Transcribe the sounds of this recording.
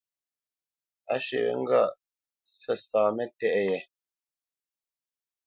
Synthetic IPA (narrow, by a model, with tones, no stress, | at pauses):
a̰˦ʃḛ˨ɛ̰˦ŋ̩˦ɡa̰˦˨ʔ | sɛ˨saː˨mɛ˦tɛ˦˨ʔjɛ˨